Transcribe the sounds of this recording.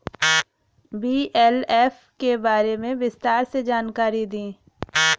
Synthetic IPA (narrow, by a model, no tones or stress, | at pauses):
biːʔɛːlɛːf | kebaːɾemẽbɪst̪aːɾsed͡ʒaːnkaːɾid̪ĩː